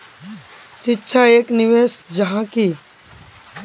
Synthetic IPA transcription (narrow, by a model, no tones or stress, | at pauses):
ʃɪtːʃʰaeːknɪʋeːsd͡ʒɐɦãki